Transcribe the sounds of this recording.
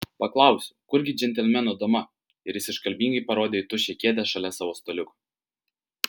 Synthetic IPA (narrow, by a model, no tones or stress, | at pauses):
pɐklˠɑˑʊsʲʊ̥kʊɾʲɡʲɪd͡ʒʲɛnʲt̪ʲɛlʲmʲɛnoːd̪omɐ | ɪɾʲɪsʲɪʃkɐlʲbʲiːŋɡɐɪpɐɾoːd̪ʲeːt̪ʊʃʲɛkʲeːd̪ʲɛʃɐlʲɛsɑːʋoːst̪oːlʲʊkɐ